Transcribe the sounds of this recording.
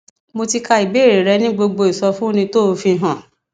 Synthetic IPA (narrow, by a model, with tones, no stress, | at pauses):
mo˧ti˧ka˧i˨be˨˦˨ɾe˨ɾɛ˧˦nĩ˦ɡ͡bo˧ɡ͡bo˧i˨sɔ˧fũ˦nĩ˧to˦o˧fĩ˧˦ɦã˨